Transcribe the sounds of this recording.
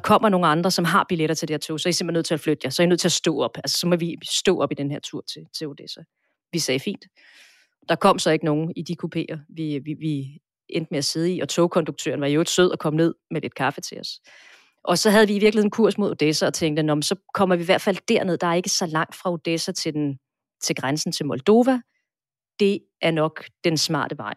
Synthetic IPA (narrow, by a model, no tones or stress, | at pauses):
kʰɒ̽m̰ɐno̝ːn̩ɑ̈nd̥ʁɐsɒ̽mɦɑ̈b̥ileɾ̥ɐt͡sʰe̝ld̥ieɐt͡sʰo̝̰ːsɒæise̝m̥enø̰t͡sʰe̝æflød̥jɑsɒɐinøð̰ˠt͡s̝ʰːæsd̥ɔ̰ːɒ̽b̥ælsə̥sɒ̽mɒʋisd̥ɔ̰̽ːʔɒ̽b̥id̥enɦeɐ̰t͡sʰuɐ̰t͡sʰe̝t͡sʰe̝o̝d̥esæ | ʋisɛːfḭːnd̥ | d̥ɑ̈kʰɒ̽m̰sɒ̽e̝ɡ̥əno̝ːn̩id̥ikʰupʰe̝̰ːɐʋiʋi | end̥əmeæse̝ð̞ˠḭɒ̽t͡sʰo̝ʊkʰɒ̽nd̥uɡ̚t͡sʰø̰ːɐn̩ʋɑ̈iod̥søð̞̰ˠɒ̽kʰɒ̽mne̝ð̞̰ˠmelʔe̝d̥̚kʰɑ̈fət͡sʰe̝ɒ̽s | ʔɒ̽sɒ̽ɦæðˠʋiːʋiɐɡlhenkʰuɐ̰smo̝ð̞ˠo̝d̥esæɒ̽t͡sʰeŋɡd̥ənɒmnsɒ̽kʰɒ̽m̰ɐʋiʋæɐ̰d̥fæl̰d̥æɐ̰ne̝ð̞̰ˠd̥ɑ̈æɐe̝ɡ̥əsɒ̽lɑ̈ŋ̰d̥fʁɑ̈o̝d̥esæt͡sʰe̝ | t͡sʰe̝lɡ̥ʁansn̩t͡sʰe̝lmɒ̽ld̥o̝ːʋæ | d̥e̝ | ʔæɐnɒ̽ɡ̥d̥ensmɑ̰̈ːd̥əʋɑ̈ɪ̰